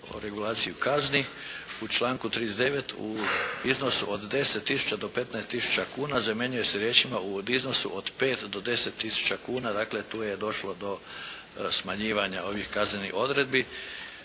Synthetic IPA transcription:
o̰ɾe̞ɡulˠaːt̪sijukazni | ut͡ʃlˠaːŋkut̪ɾid̪ezd̪eʋe̞t̪ʰṵizno̞suʔo̞d̪d̪e̞set̪ːisu̥t͡ʃad̪o̞pe̞t̪naest̪ːisu̥t͡ɕakuːnazameɲuje̞seɾjeːt͡ʃimaud̪izno̞sṵʔod̪̥pe̞ːt̪d̪o̞d̪e̞set̪ːisu̥t͡ʃakuːnad̪aːkle̞t̪uːjed̪o̞ʃlo̞d̪o̞ | smaɲiːʋaɲao̞ʋihkaznenḭʔo̞d̪ɾe̞d̪̚bi

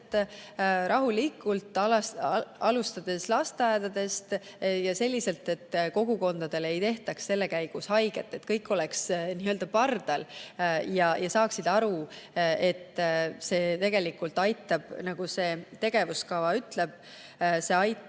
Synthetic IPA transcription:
t̪ː | ɾʔɑɦulikːˑult̪ˑl | ɑlust̪ɑd̪̥e̞slɑst̪eæːd̪ɑd̪e̞st̪ | jɑselʲːise̞lt̪e̞t̪ːko̞ɡ̥uko̞nd̪̥ɑd̪̥e̞le̞jt̪e̞ht̪ɑksse̞lːe̞kæjɡ̥ushɑjɡ̥e̞t̪ːˑe̞t̪kɤjkːˑo̞leksniːøld̪ɑpɑrd̪̥ɑljɑjʔɑsɑːksid̪̥ɑɾue̞t̪ːˑse̞ːt̪e̞ɡ̥e̞likːult̪ːˑɑjt̪ːˑɑb̥nɑɡ̥use̞ːt̪e̞ɡ̥e̞vuskɑvɑyt̪ˑle̞b̥̚ | se̞ːɑj̪

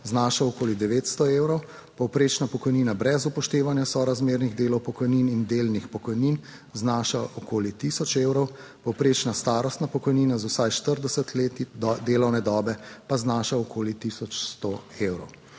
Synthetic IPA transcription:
znaːʃaɔkoːlid̪ɛʋeːt̪st̪ɔeːwɾɔw | pɔwpɾeːt͡ʃnapɔkɔjniːnabɾɛzupɔʃt̪eːʋanjasɔɾazmeːɾniɣd̪eːlɔwpɔkɔjniːnind̪elnixpɔkɔjniːn | znaːʃaʔɔkoːlit̪isɔt͡ʃewɾɔw | pɔwpɾeːt͡ʃnast̪aːɾɔst̪napɔkɔjniːnazwsajʃt̪əɾd̪ɛsət̪leːt̪id̪eːlɔwnɛd̪ɔːbɛpaznaːʃaɔkʰoːlit̪isɔt͡ʃst̪ɔewɾɔ̰w

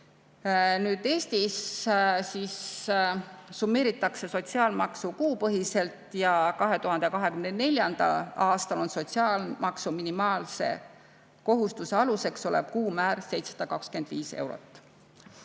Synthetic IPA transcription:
nyːd̪̥e̞ːst̪issis | umːe̞ːɾit̪ːˑɑkse̞so̞t̪ʲsiɑːlmɑksukuːpɤɦise̞lt̪jɑkɑɦe̞t̪uɦɑnd̪̥ekɑɦe̞kymnene̞lʲjɑnd̪̥ɑ̰lɑːst̪ɑlo̞nso̞t̪siɑːlmɑksuminimɑːlse̞̰ | ko̞ɦust̪use̞ɑluse̞kso̞lḛb̥̚kuːmæːrse̞jt̪sesɑ̥d̪̥ɑkɑkskyend̪̥viːse̞̰wɾo̞̰t̪ːˑ

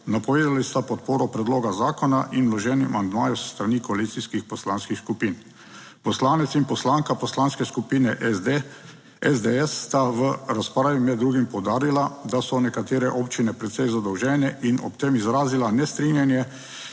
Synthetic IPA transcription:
napɔʋeːd̪alist̪apɔt̪̚poːɾɔpɾɛd̪loːɡazaːkɔnaʔinlɔʒɛːnḭmand̪maːjusst̪ɾanikɔalit̪siskixpɔslaːnskixskupiːn | pɔslaːnɛt̪sinpɔslaːŋkapɔslanskɛskupiːnɛʔ | ɛzd̪eɛsːt̪aʋəɾaspɾaːʋimɛd̪̚dːɾuːɡimpɔwd̪aːɾilad̪asɔnɛkat̪eːɾɛʔoːpt͡ʃinɛpɾɛt̪sɛjzad̪ɔwʒɛːnɛʔinɔ̰pt̪emizɾaːzilanɛst̪ɾinjanjɛ

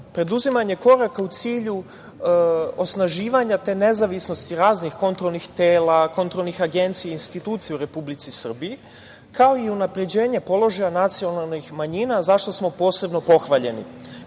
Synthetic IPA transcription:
pɾed̪uzimaɲe̞ko̞ɾakaut̪siːʎu | o̞snaʒiːʋaɲat̪e̞ːne̞zaʋisno̞st̪iɾaːznixko̞nt̪ɾo̞lnixt̪eːlako̞nt̪ɾo̞lˠnixaɡe̞nt̪sijainst̪it̪uːt̪sieuɾe̞publit̪sisr̩bii | kʰao̞iunapɾe̞d͡ʑe̞ːɲe̞po̞lˠo̞ʒajanat̪sio̞nalnixmaɲiːnazaʃt̪o̞smo̞po̞ːse̞bno̞po̞xʋaʎe̞̰nḭ

